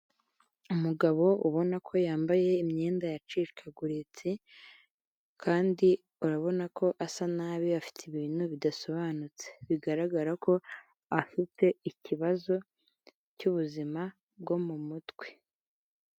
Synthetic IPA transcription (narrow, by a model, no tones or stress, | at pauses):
umuɡaβo̞uβo̞nakʰo̞jaːmbaje̞imɲe̞ːndajat͡ʃiʃkʰaɡuɾit͡si | kʰaːndi | uɾaβo̞nakʰo̞ʔasanaːβiafi̥tʰiβiːn̥huβidaso̞βaːnut͡se̥βiɡaɾaɡaɾakʰo̞ | afite̞iciβazo̞ | cuβuzima | b̚ɡo̞mumutwe̥